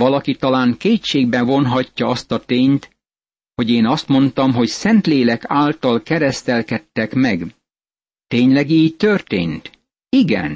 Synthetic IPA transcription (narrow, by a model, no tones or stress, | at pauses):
vɒlɒkit̪ɒlaːŋkeːʃeːɡ̚bɛvo̞nɦɒcːɒɒst̪ɒt̪eːɲt̪ | ho̞ɟeːnɒst̪mo̞nt̪ɒmɦo̞csɛnt̪leːlɛkaːlt̪ɒlkɛɾɛst̪ɛlkɛt̪ːɛkmɛɡ | t̪eːɲlɛɡiːɟ̚t̪ørt̪ḛːnt̪ | iɡɛ̰n